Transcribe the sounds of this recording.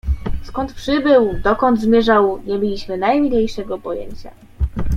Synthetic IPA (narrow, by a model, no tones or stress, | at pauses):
skɔnt̪pʂɘbɘwd̪ɔkɔnd̪zmʲjɛʐawɲɛmbʲelʲiɕmɘnajmʲiɲʲejʂɛɡɔpɔjɛ̰ɲt͡ɕa̰